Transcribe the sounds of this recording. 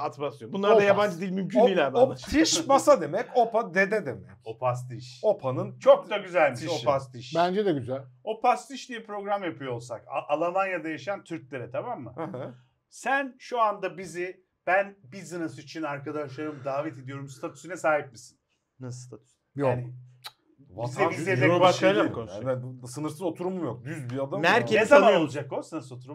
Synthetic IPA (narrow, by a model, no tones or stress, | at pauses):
at̪masɯjombunlˠaɾd̪ajaband͡ʒɯd̪iːilʲmymcʰynijlʲæɾb̪at̪ʰiʃbasad̪e̞mɛco̞pad̪ed̪ɛd̪emɛcopʰas̬t̪iʃo̞pʰanɯnt͡ʃʰo̞k̚t̪aɡyzælʲmiiʃopast̪iʃbænd͡ʒɛd̪ɛɟyzælʲo̞pʰast̪iʃd̪ijɛpɾo̞ɡɾamjapʰɯjoolˠsakaʔalˠamanjad̪ajaʃɯjant̪ʰyɾclʲe̞ɾɛt̪ʰamamːɯ̰ | sænʃuand̪abizɪ | b̥ænbiz̬ɯnɯsit͡ʃʰinaɾkʰad̪aʃlˠaɾɯmd̪aːvɛt̪ʰed̪ijo̞ɾumsɨ̥t̪ʰat̪ʰy̥synɛsaːɦip̚misi̥n | nsst̪ʰat̪ʰy̥s | jaaːnɪ | vizebizlʲed̪ɛbaʃalmonɛsɯnɯɾsɯno̞t̪ʰuɾumumjok̚d̪yzbiad̪anæɾʰenezamanolˠud͡ʒakosɯnɯso̞t̪ʰuɾum